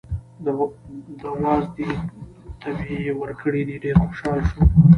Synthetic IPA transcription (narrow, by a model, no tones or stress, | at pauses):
d̪əwɑzd̪et̪ʰabiwəɾkʰəɽid̪iɖeɾxoʃɑlʃu